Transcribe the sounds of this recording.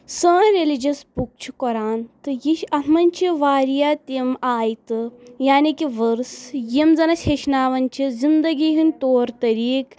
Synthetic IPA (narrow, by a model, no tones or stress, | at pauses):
səːnɾelid͡ʒɐspuk̚t͡ʃʰu̥kɔɾaːnt̪ɨjiʃɐɦmɐnʲt͡ʃʰiʋaːɾjaːt̪imaːjt̪ɨjaːnikiʋɐɾsjimzɐnɐʃeʃnaːʋɐnt͡ʃʰizind̪ɐɡiɦint̪oːɾt̪ɐɾiːk